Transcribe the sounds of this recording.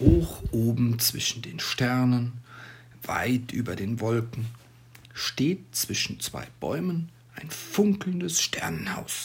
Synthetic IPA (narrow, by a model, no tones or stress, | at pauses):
hoːxʔoːbm̩t͡sv̥ɪʃn̩deːnʃtɛɐnən | va̰ɪtʔyːbɐdeːnvɔlkŋ̩ | ʃteːt̚t͡sv̥ɪʃn̩t͡sv̥a̰ɪb̥ɔ̰ʏmən | ʔaɪnfʊŋkl̩n̩dəsʃtʰɛɐnənha̰ʊs